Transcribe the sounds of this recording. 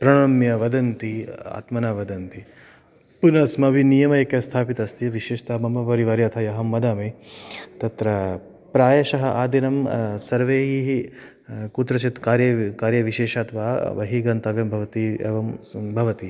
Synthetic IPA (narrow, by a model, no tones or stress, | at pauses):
pɾɐɽɐmjɐʋɐd̪ɐnt̪ia̰ːt̪mɐnaːʋɐd̪ɐnt̪i | punɐsmɐʋinijɐmɐekjɐst̪ʰaːpit̪ɐst̪iʋiʃeːʃt̪aːmɐmɐʋɐɾiʋɐːɾjɐt̪ʰɐjɐɦɐmːɐd̪aːmet̪ɐt̪ɾɐ | pɾaːjɐʃɐɦɐʔaːd̪inɐmsɐɾʋeːɦiɦi | kut̪ɾɐt͡ʃit̪kaːɾjɐkaːɾjɐʋiʃeːʃaːt̪ʋaːʋɐ̰ɦiɡɐnt̪ɐʋjɐmbʱɐʋɐt̪iḛːʋɐmbʱɐʋɐt̪i